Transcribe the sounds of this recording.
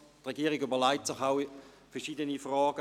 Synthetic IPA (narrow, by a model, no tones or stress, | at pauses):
tʁeɡiːɐʁiɡʏbɐlaɪtsɪχaʊ | fɛɐʃiːdənifʁaːɡ̥ə